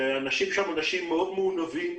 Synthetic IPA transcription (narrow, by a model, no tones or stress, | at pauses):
anaʃimʃamanaʃimːeod̪meunavim